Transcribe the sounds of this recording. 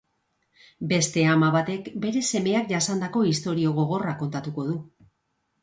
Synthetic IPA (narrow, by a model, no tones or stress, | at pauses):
be̞st̪e̞amaβat̪e̞kbe̞ɾe̞se̞me̞akʝasand̪ako̞ist̪o̞ɾio̞ɣ̞o̞ɣ̞o̞rako̞nt̪at̪uko̞ðu